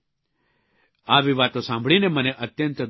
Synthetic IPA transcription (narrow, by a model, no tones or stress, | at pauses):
aːʋiʋaːt̪õsãːmbʱɭinemɐnẽʔɐt̪jə̃nt̪d̪